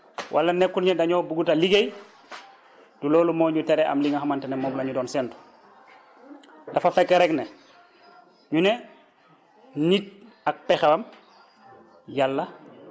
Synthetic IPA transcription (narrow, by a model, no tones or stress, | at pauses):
wʔalːanekːuɾɲedaɲobuɡutaliɡej | duloːlumoːɲutɛɾɛʔa̰mliŋaɦamantenemɔːɡlaɲudɔːnsɛnto̥ | dafafɛkːeɾɛkne | ɲune | nit̚ | ak̚pexawam | jalːa